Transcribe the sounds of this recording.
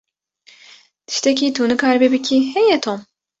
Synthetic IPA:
d̪̥i̥ʃt̪ʰɛc̬it̪ʰuːnɨkaɾbebicʲʰihɛjɛt̪ʰom

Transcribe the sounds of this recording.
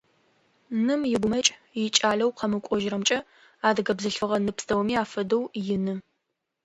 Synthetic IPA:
nɨmjɪɡʷʊmɐt͡ʃʼjɪt͡ʃʼaːɮɐwqʰɐmɨkʷʼɔʒrɐmt͡ʃʼɐ | aːdɨɡɐbzɨɬfɨʁɐnɨpstʰɐwmiːaːfɐdɐwjɪnɨ

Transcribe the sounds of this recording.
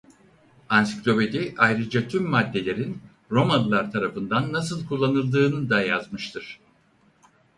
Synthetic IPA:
ansi̥klʲo̞pe̞d̪iʔajɾɯd͡ʒat̪ʰymːad̪ːe̞lʲe̞ɾin | ɾo̞manlˠaɾt̪ʰaɾafɯnd̪anːasɯlˠkʰulˠːanɯlˠd̪ɯːnɯd̪aja̰zmɯʃt̪ʰɯɾ̥

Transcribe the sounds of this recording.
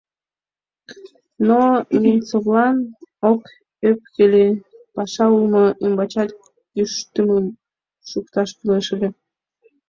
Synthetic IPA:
nonʲint͡sovlɑnok | øp̚kəlʲepɑʃɑulmoʔimbɑt͡ɕɑt̪ | jyʃt̪əməm | ʃukt̪ɑʃkyleʃlʲe

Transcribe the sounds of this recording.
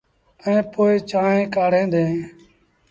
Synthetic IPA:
ɛ̃ːpoːeːt͡ʃaːɦẽːkaːɽ̤ẽːd̪ẽː

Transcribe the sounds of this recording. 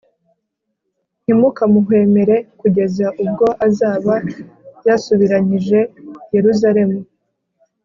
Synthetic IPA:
n̥imukamuɦwe̞ːme̞ɾe̞kuɟe̞zaʔub̚ɡo̞ʔazaːβajasuβiɾaɲiʒe̞je̞ɾuzaɾe̞mu

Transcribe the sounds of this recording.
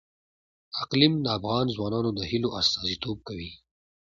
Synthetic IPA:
aqlimd̪əafɣɑːnzwɑːnɑnod̪əhiloʔast̪ɑːzit̪oːb̚kawi

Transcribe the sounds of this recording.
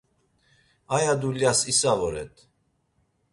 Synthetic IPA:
ajad̪uljasisavɔɾɛ̰t̪ʰ

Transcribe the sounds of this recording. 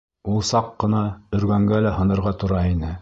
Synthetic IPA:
ulˠsɑqːɤ̆nɑɵ̆ɾɡæŋɡælæhɤ̆nɤ̆ɾʁɑt̪ŏɾɑinɘ

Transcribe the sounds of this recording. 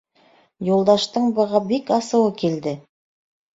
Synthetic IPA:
jolˠd̪ɑʃt̪ɤɴbɤ̆ʁɤbikɑsɤ̆wəkʲʰild̪ɪ

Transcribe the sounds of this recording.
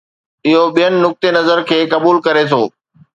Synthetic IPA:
ɪɦoɓijənɪ̆nʊk̚t̪enɐzəɾkʰeːkɐbuːlkɐɾet̪ʰoː

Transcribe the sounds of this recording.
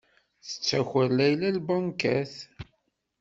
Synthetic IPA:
θə̥t͡sːæxəllæjlælbɑnkæθ

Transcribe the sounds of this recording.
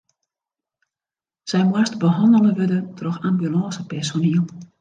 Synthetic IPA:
sɛjmwastbəɦɔndəlˠəʋødətrɔxambjylɑːsəpɛrsoniəlˠ

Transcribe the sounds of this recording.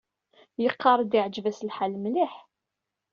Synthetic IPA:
jəqʰːɑɾˤd̪iʕd͡ʒvæslħalmliħ

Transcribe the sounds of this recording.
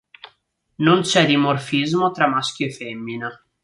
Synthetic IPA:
nont͡ʃɛd̪imorfizmot̪ɾamːask̟joefɛmːine

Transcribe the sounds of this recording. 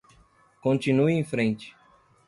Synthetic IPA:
kõnt͡ʃĩnuiẽj̃fɾẽnt͡ʃɪ̥

